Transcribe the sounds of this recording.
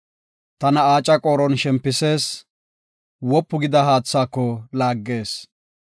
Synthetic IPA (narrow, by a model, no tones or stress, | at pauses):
t̪ɐnɐaːt͡ʃʼɐkʼoːɾɔnʃɛmpːɪse̞ːs | wɔpːʊɡɪd̪ɐɦaːt͡sːaːkːɔlaːɡːe̞ːs